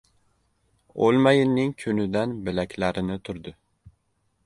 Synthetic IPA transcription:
olˠmajɪnːɪŋkʲʰynɪd̪ænbɪlækʲʰlæɾɪnɪt̪ʰʊɾd̪ɪ

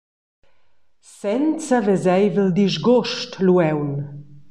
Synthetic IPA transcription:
sɛnt͡savɛzɛjvəld̪iʒɡoʃtluɛwn

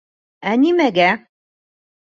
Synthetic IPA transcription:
ænimæɡæ

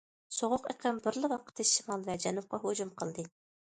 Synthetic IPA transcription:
soʁʊqḛqʰəmbɪɾlɪwɑqʰə̥t̪ʰːɪʃimɑlˠvɛd͡ʒɛnup̚qɑɦod͡ʒumqʰəlˠd̪ɨ

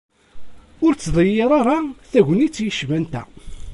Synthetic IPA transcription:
ʊɾt͡sːðˤəjːeɾˤaɾˤaθæʝənit͡sːjəʃvænt̪æ̰

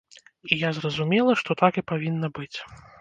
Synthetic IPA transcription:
ijazrɐzumʲɛlˠɐʂt̪ɔt̪akipavʲinːɐbɨt͡sʲ

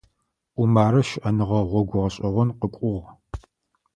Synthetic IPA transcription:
ʔʷʊmaːɾɐʃʔɐnɨʁɐʁʷɔɡʷʊʁɐɕʼɐʁʷɔnqəkʷʼʊʁ

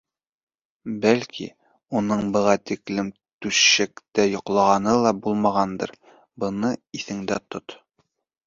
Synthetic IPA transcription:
bælkʰḭ | unɤɴbɤ̆ʁɑt̪iklɘm | t̪ʉsɕækt̪æjŏqlˠɑʁɑnɤlˠɑbulˠmɑʁɑnd̪ɤ̰ɾ | bɤ̆nɤiθɘ̆ŋd̪æt̪ot̪

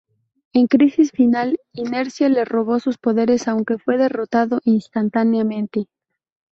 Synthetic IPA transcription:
e̞ŋkɾisisfinaline̞ɾsjale̞ro̞β̞o̞suspo̞ðe̞ɾe̞sawŋke̞fwe̞ðe̞ro̞t̪aðo̞ʔinst̪ant̪anjamẽ̞nt̪e̞

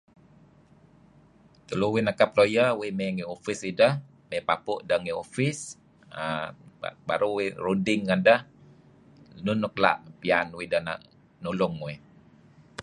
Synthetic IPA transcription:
t̪uluwinakap̚lojəwimeŋiofisidəh | mepapʊʔdəŋiofis | ə̰ | ba̰ɾuwirudɪŋːəndəh | nunːukla̰ʔpianwidəna̰ʔ | nulʊŋwi

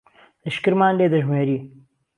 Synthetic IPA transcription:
lɐʃkɨɾmaːnleːd̪ɐʒmeːɾiː

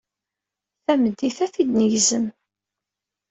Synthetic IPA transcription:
θæməd̪ːiθæθid̪nəʝzəm

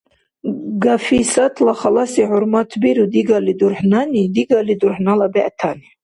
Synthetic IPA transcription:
ɡafisat̪ʰlaχalasihuɾmat̪ʰbiɾud̪iɡalid̪uɾħnanid̪iɡalid̪uɾħnalabɛʔt̪ʰani

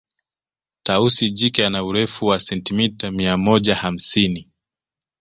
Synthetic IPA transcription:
tausiʄikɛanauɾɛfuwasɛntimitamiamɔʄaham̩sini

